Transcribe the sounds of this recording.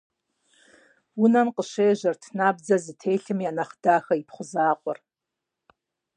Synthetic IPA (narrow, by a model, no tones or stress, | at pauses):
unamqʼəʃejʒʷartʰnabd͡zazɨtʰe̞jɬɨmijanaχdaxaipʰχʷʊzaːqʷʼʊ̰r